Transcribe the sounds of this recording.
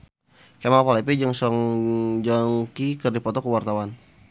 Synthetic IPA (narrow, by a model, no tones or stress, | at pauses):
kemapalɛpid͡ʒaŋsɔŋd͡ʒɔŋkikərdipɔt̪ɔkəwart̪awan